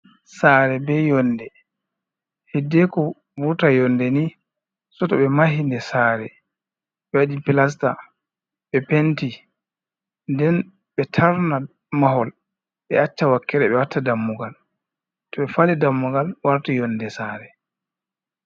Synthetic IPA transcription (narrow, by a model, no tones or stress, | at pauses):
saːɾɛbɛjɔnːdɛ | hidːɛkɔ | buɾtajɔndɛni | sɔtɔɓɛmahindɛsaːɾɛ | ɓɛwaɗipilas̬ta̰ | ɓɛpenti | ndɛn | ɓɛtʰaɾna | maɦɔl | ɓɛat͡ʃːawakːɛɾɛɓɛwatʰːadamːuɡal | tɔɓɛfalidamːuɡalwaɾtajɔndɛsaːɾɛ